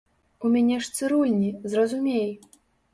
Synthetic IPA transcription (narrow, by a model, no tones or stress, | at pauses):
umʲanʲɛʂt̪sɨɾulʲnʲizrɐzumʲej